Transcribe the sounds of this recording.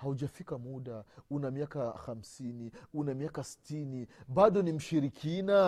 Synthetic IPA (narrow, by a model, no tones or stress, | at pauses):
hauʄafikamuɗaunamiakaxam̩siniunamiakasi̥tiniɓaɗɔnim̩ʃiɾikʰina